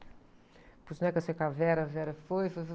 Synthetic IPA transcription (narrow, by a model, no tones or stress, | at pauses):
pusnɐ̃ɛkasekavɛɾɐvɛɾɐfojfojf